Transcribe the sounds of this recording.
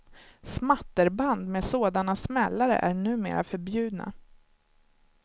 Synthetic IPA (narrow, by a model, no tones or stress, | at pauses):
smat̪ːəɾband̪meːsoːd̪anasmɛlːaɾə̰ʔæɳʉ̟ːmḛːɾa̰fœɾbjʉ̟ːd̪na̰